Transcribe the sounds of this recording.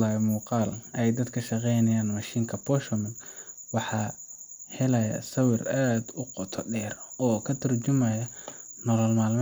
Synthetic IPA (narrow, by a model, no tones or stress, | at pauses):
aːmuːqɑːlɛjd̪ɐd̪kʰɐʃɐqɛjnɐjaːnmɐʃiːŋkʰɐpʰɔʃɔmɪnwɑħɑː | hɛlɐjɐ̰sɐwɪraːd̪ʊqɔt̪ʰɔɖɛːrɔːkʰɐt̪ʰɐrt͡ʃʊmɐjɐnɔlɔlmaːlm